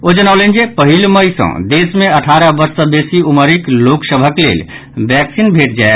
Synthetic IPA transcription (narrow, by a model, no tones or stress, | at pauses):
od͡ʒənaʊlend͡ʒepəɦilməjsə̰̃d̪esmeəʈʰaɾəbəɾsə̃besiuməɾikloksəbʱəklḛl | bɛksinbʱeʈ̚d͡ʒae